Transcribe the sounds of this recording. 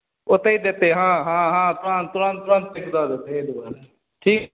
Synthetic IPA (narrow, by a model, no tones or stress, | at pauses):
ʊt̪eid̪et̪eɦãːɦãːɦãːt̪ʊɾãːnt̪ʊɾãːnt̪ːʊɾãːnt̪̚ːɪkd̪aːd̪et̪ed̪ubaːɾ | ʈʰiːk